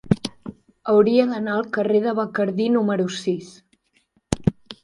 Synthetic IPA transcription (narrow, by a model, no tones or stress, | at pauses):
əwɾiəðənaəlˠkəreðəβəkəɾðinuməɾusis